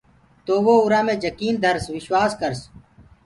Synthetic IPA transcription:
t̪oːʋoːʊɾaːmẽːd͡ʒəkiːnd̪ʱəɾsʋɪʃwaːskəɾs

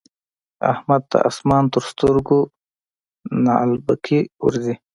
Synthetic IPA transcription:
a̰hmɐd̪̚t̪a̰ʔa̰smaːnt̪uɾst̪uɾɡu | na̰lbakʰiṵɾzi

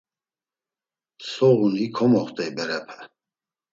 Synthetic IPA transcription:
sɔɣunikʰɔmɔχt̪ʼɛibɛɾɛpʰɛ̥

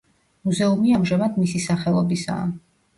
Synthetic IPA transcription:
muzɛumiamʒamad̪misisaχɛlˠɔbisa̰ː

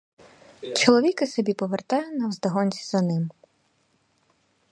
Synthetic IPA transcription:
t͡ʃɔlˠɔʋʲikɪsɔbʲipɔʋert̪ɑjʊnɐwzd̪ɐɦɔnʲt͡sʲi̥zɐnɪm

